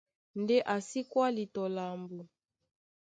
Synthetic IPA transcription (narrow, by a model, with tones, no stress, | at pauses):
ndɛ˦ʔa˨si˦kwa˦li˨tɔ˨la˨mbu˨